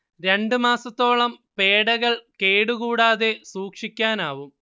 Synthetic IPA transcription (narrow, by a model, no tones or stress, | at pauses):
ɾe̞ɳɖɨmaːsɐt̪ːo̞ːɭɐmpe̞ːɽɐɣɐɭke̞ːɽukuːɽaːðe̞suːkʂikʲːaːnaːʋum